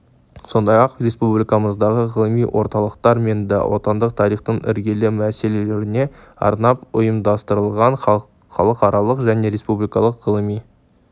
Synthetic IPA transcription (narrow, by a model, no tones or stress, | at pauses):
so̞nd̪ɑjɑqɾe̞spublijkɑməzd̪ɑʁəʁəlˠəmijwʔo̞ɾt̪ɑlˠəqt̪ɑɾme̞nd̪ɪ̰wʔo̞̰t̪ɑnd̪əqt̪ʰɑɾijχt̪əɴɪ̰ɾɡʲe̞lɪmæse̞le̞leɾɪne̞ɑ̰ɾnɑpʊjəmd̪ɑst̪əɾəlˠʁɑɴ | χɑ̰lˠəqɑɾɑlˠəqʒæne̞ɾe̞spublijkɑlˠəqʁəlˠəmij